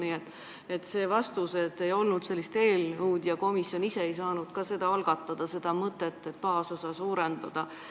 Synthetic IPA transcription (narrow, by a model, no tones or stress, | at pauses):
niːet̪ːˑ | e̞t̪ːse̞ːvɑst̪use̞t̪ːˑe̞jo̞lnud̪̥se̞lːist̪e̞ːlɤwd̪̥jɑko̞misjo̞nise̞ejsɑːnud̪̥kɑse̞d̪̥ɑɑlɡ̥ɑt̪ːˑɑd̪̥ɑse̞d̪ɑmɤt̪ˑːet̪ˑːe̞t̪pɑːso̞sɑsuːɾend̪ɑd̪̥ɑ